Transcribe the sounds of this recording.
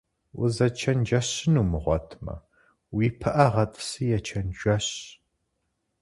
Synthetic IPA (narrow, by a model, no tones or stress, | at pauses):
wʊ̰zɐt͡ʃʰɐnd͡ʒɐɕɪnuːmɨʁʷɔ̰tʰmɐ̰ | wiːpʰɨʔɐʁɐtʼɨ̥sɨjɛt͡ʃʰɐnʒʷɐɕ